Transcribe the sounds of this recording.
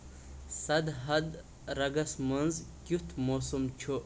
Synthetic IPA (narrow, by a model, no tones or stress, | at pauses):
sɐd̪ɦɐd̪ | ɾɐɡɐsmɐnzkʲut̪ʰmoːsumt͡ʃʰo